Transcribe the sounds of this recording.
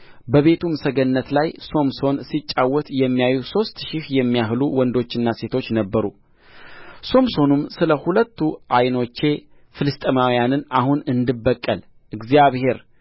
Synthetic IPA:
bəβe̞t̪ʰumsəɡənːət̪lajso̞mso̞nsit͡ʃʼːawːɔt̪jɛmːijajuso̞st̪ʃɪhjɛmːijaɦluwɔnd̪o̞t͡ʃːɪnːase̞t̪ʰo̞t͡ʃːnəbːəɾṵ | so̞mso̞numsɨləhulət̪ːuʔajno̞t͡ʃːe̞ | fɨlɨst̪ʼəmawjanɨnahunɨnd̪ɨbːəkʼːəl | ʔɨɡzijaβhe̞ɾ

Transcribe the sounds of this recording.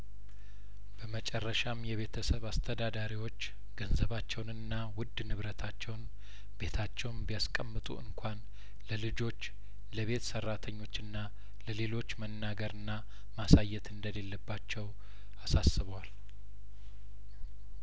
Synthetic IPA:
b̥əmət͡ʃʼɛrːəʃamjɛβe̞t̪ʰəsəβast̪ʰəd̪ad̪aɾiwo̞t͡ʃː | ɡənzəβat͡ʃːɛwnɨnːawʊd̪ːnɨβɾət̪ʰat͡ʃːɛwn | be̞t̪ʰat͡ʃːɛwnbijaskʼəmːɨt̪ʼṵɨ̰ŋkʷʰan | ləlɨd͡ʒo̞t͡ʃː | ləβe̞t̪sərːat̪ʰəɲːo̞t͡ʃːɨnːa | ləle̞lo̞t͡ʃːmənːaɡəɾɨnːa | masajːɛt̪ɨnd̪əle̞lːəbːat͡ʃːɛw | asasːɨβəwal

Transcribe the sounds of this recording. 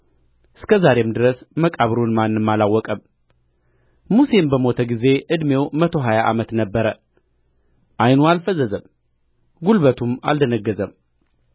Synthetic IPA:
ɨ̥skʰəzaɾe̞md̪ɨɾəsməkʼaβɾunmanːɨmːalawːɔkʼəm | muse̞mbəmo̞t̪ʰəɡize̞ʔɨd̪me̞wmət̪ʰo̞ɦajaʔa̰mət̪nəbːəɾə | ʔajnualfəzəzəm | ɡulβət̪ʰuma̰ld̪ənəɡːəzəm

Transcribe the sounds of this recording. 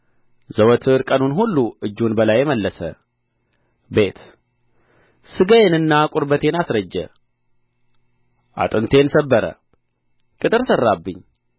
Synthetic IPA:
zəwɔt̪ʰɨɾkʼənunhulːuɨd͡ʒːunbəlajːɛməlːəsə̰ | be̞t̪ | sɨɡəjenɨnːakʼʊɾbət̪ʰe̞nasɾəd͡ʒːə̰ | ʔa̰t̪ʼɨnt̪ʰe̞nsəbːəɾə̰ | kʼɨt̪ʼɨɾsərːabːɨɲː

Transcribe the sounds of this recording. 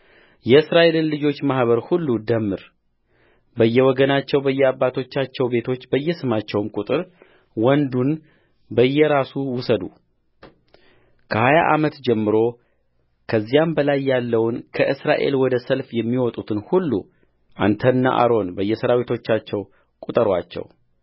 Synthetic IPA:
jɛɨsɾaʔe̞lɨnlɨd͡ʒo̞t͡ʃːmahβəɾhulːud̪əmːɨɾ | bəjːɛwɔɡənat͡ʃːɛwbəjːɛabːat̪ʰo̞t͡ʃːat͡ʃːɛwbe̞t̪ʰo̞t͡ʃːbəjːɛsɨmat͡ʃːɛwmkʼut̪ʼɨɾ | wɔnd̪un | bəjːɛɾasuwʊsəd̪u | kʰəhaja̰ʔamət̪d͡ʒɛmːɨɾo̞ | kʰəzːijambəlajːalːəwnkʰəʔɨsɾaʔe̞̰lwɔd̪əsəlfjɛmːiwɔt̪ʼut̪ʰɨnhulːṵ | ʔa̰nt̪ʰənːa̰ʔa̰ɾo̞nbəjːɛsəɾawit̪ʰo̞t͡ʃːat͡ʃːɛw | kʼut̪ʼɨɾwa̰t͡ʃːɛ̰w

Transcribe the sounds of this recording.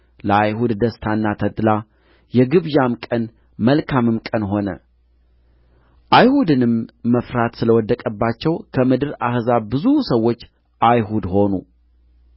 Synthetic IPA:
ləajɦud̪d̪əst̪ʰanːat̪ʰət̪ʼːla | jɛɡɨβjamkʼən | məlkʰamɨmkʼənɦo̞nə̰ | ʔajhud̪ɨnɨmːəfɾat̪sɨləwɔd̪ːəkʼəbːat͡ʃːɛwkʰəmɨd̪ɨɾahzabɨzusəwːo̞t͡ʃː | ʔajɦud̪ho̞nṵ

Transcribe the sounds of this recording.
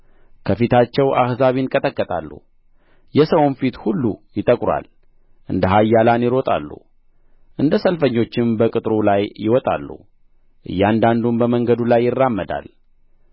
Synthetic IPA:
kʰəfit̪ʰat͡ʃːɛwʔa̰hzaβinkʼət̪ʼəkʼːət̪ʼa̰lːṵ | jɛsəwnfit̪hulːujɪt̪ʼəkʼɾwa̰l | ʔɨnd̪əɦajːalanjɪɾo̞t̪ʼa̰lːṵ | ʔɨnd̪əsəlfəɲːo̞t͡ʃːɪnbəkʼɨt̪ʼɾulajːɪ̰wɔt̪ʼa̰lːṵ | ʔɨ̰jːand̪and̪umbəməŋɡəd̪ulajːɪrːamːəd̪a̰l

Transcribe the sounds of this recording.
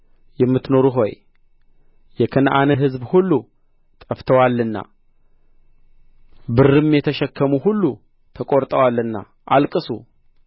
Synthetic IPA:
jɛmːɨt̪no̞ɾuɦo̞j | jɛkʰənʔanəɦɨzbhulːu | t̪ʼəft̪ʰəwalːɨnːa̰ | bɨrːɨmjɛt̪ʰəʃɛkʰːəmuɦulːu | t̪ʰəkʼo̞ɾt̪ʼəwalːɨnːa̰ | ʔalkʼɨsṵ

